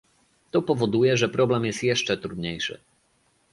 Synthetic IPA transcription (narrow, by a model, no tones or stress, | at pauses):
t̪ɔpɔvɔd̪ujɛʐɛpɾɔblɛmjɛst̪jɛʂt͡ʂɛt̪ɾud̪ɲejʂɘ̰